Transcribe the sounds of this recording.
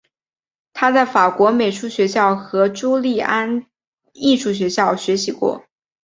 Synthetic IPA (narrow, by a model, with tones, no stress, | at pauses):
t̪ʰa˥t͡sa˥˩ɪfa˨˩kwɔ˧˥me˨˩ɪʂu˥˩ɕɥɛ˧˥ɕjɑ˥˩ʊxɤ˧˥ʈ͡ʂu˥li˥˩a˥n | i˥˧ʂu˥˩ɕ̬ɥɛ˧˥ɕjɑ˥˩ʊɕɥɛ˧˥ɕi˧˥kwɔ̰˥˩